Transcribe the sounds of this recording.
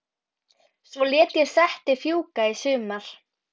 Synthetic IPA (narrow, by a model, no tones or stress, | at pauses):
svɔljɛːt̪jɛɾ̥sɛht̪ɪfjuːkaisʏːmaɾ̥